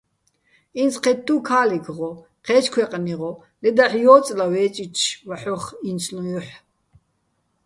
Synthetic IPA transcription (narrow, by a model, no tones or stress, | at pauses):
insqʰɛtt̪ʼːukʰaːliɡʰʁɔ | qʰɛːt͡ʃkʰwɛqʼniʁɔ | lɛd̪aħjɔːt͡sʼlawɛːt͡ʃʼit͡ʃʰvaħɔχinsʰnujuħ